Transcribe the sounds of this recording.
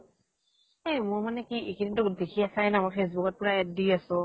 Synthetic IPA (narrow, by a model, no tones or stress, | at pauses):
emʊɹmanɛkiʔikinitʊdekʰiasajnamɔfʰes̬bʊkɔt̚pʊɹaɛt̚dijasʊ̃